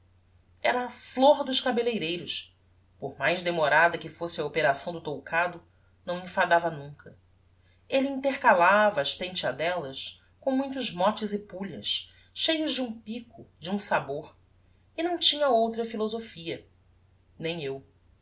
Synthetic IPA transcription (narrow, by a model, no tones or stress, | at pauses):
ɛɾɐːfloɾd̪ʊʃkabelejɾejɾʊs | pohmajzd̪emoɾad̪ɐkɪfosɪɐopeɾasɐ̃w̃d̪ʊt̪owkʰad̪ʊ | nɐ̃w̃ĩfad̪avɐnũkɐ | eliĩt̪eχkalavɐːʃt̪ẽnt͡ʃɐd̪ɛlɐs | kõmũj̃t̪ʊʒmɔt͡ʃɪzɪpuʎɐ̰s | ʃejʊzd͡ʒɪũpikʊd͡ʒɪũsaboɾ | ɪnɐ̃w̃t͡ʃĩɲɐowt̪ɾɐfilozofiɐ | nẽj̃ew